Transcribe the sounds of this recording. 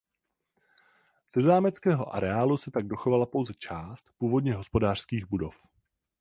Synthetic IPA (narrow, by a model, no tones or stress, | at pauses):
z̥ɛzaːmɛt͡skɛːɦo̞̰ʔa̰ɾɛaːlusɛt̪aɡ̚do̞xovalapo̞wzɛt͡ʃaːst̪puːvo̞dɲɛɦo̞spo̞daːr̥skiːɣbudo̞f